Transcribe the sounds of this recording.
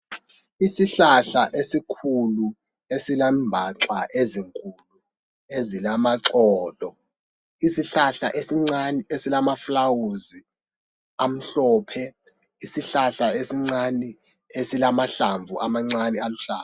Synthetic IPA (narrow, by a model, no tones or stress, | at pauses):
isiɬaɬaʔesikʰulu | esilambʱaǀaʔeziŋkʼulu | ezilamaǀɔːlɔ | isiɬaɬaʔesiŋ͡ǀaniesilamaflawuzi | am̩ɬɔːpʰɛ | isiɬaɬaesiŋ͡ǀani | esilamaɬaɱvʱuʔamaŋ͡ǀanialuɬa̰ː